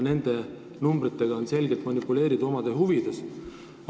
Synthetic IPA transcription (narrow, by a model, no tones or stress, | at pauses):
ne̞nd̪̥e̞ | numbrit̪ːe̞ɡ̥ɑonse̞lɡet̪ˑmɑnʲipːule̞ːɾid̪̥uo̞mɑd̪̥eɦuvid̪̥e̞s